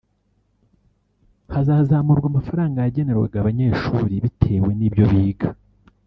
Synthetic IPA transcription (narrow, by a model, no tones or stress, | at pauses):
hazaːhzaːmuɾɡwamafaɾaːŋɡajaɟe̞ne̞ɾwe̞̰ɡaβaɲe̞ːʃuɾiβitʰe̞ːwe̞niːbjo̞βiːɡa